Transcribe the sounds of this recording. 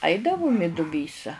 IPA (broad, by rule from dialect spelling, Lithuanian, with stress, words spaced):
ˈɐɪdɐʋʊm ɪ dʊˈbʲiːsɐ